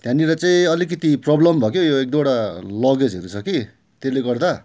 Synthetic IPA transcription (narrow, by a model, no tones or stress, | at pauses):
t̪jãniɾʌt͡saĩʌlik̬ʌt̪iprʌblʌmbʱʌkjojoek̚d̪oɽalʌɡed͡zɦʌɾut͡sʰʌki | t̪eleɡʌrd̪a